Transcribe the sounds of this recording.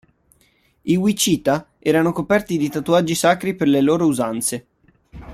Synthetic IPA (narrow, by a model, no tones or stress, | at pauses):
iwit͡ʃiːt̪a | ɛːɾanokopɛrt̪id̪it̪at̪uad͡ʒːisaːkɾiperleloːɾouzant̪se